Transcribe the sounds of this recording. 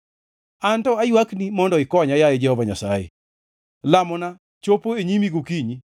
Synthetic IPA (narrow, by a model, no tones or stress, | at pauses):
antɔajwaknimɔndɔɪkɔɲajajed͡ʒɛhɔvaɲasa̰jḛ | lamɔna | t͡ʃopoeɲimiɡokiɲi